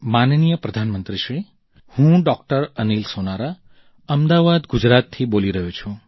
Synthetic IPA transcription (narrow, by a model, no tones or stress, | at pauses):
mannijəpɾəd̪ʱanmənt̪ɾiʃɾi | hũɖɔkʈəɾənilsonaɾa | əmd̪aʋad̪ɡud͡ʒɾat̪ʰːiboliɾəɦũt͡ʃʰũ